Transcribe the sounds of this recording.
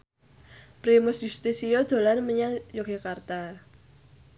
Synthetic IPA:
pɾimʊsjust̪isijod̪̥o̤lanməɲaŋjoɡ̥ekart̪a

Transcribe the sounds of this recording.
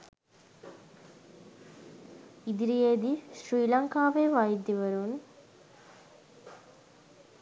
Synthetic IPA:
id̪iɾijeːd̪isriːlɐŋkaːʋeʋajid̪jiʋɐɾun

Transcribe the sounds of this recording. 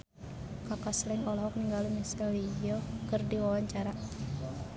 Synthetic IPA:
kakaslɛŋɔlɔɦɔk̚niŋɡalumisalijɔkərdiwawaɲt͡ʃaɾa

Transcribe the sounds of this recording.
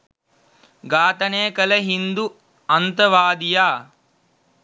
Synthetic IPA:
ɡaːt̪ɐneːkɐlɐɦind̪u | ɐnt̪ɐʋaːd̪ijaː

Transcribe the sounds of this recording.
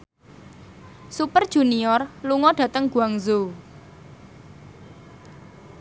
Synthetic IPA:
supərd̥ʒ̥ṳniɔrluŋɔɖ̥ä̤t̪əŋɡ̥uaŋzo

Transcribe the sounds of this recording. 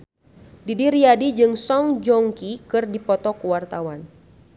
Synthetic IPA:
didiɾiadid͡ʒɨŋsɔŋd͡ʒɔŋkikɨrdipɔt̪ɔkuwart̪awan

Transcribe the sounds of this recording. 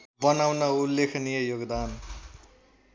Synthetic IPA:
bʌnawnʌulːekʰnijʌjoɡd̪an

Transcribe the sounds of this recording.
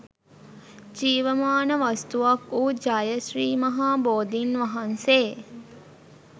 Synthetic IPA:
d͡ʒiːʋəmaːnəʋast̪uʋakuːd͡ʒaːjəʃɾiːmɐɦaːboːd̪inʋɐɦanseː

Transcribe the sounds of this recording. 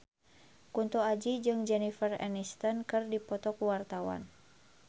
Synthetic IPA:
kunt̪uad͡ʒid͡ʒɨŋd͡ʒɛnifərɛ̰nist̪ənkɨrdipɔt̪ɔkuwart̪awa̰n

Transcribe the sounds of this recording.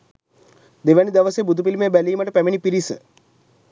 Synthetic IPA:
d̪eʋanid̪ɐʋəseːbud̪ʱupilimebæliːmɐʈəpæminipiɾisə

